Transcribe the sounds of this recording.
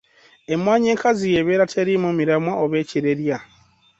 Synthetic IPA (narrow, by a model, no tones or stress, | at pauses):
emwaːɲeːŋkazijeβeːɾatʰeɾimumiɾamwaoβeːciɾeɾja